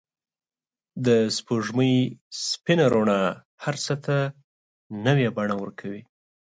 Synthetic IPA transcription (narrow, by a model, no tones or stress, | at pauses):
d̪əspoʐməjspɪnaɾoɳɑ | haɾsət̪ʰa | nəwjabaɳawəɾkʰawi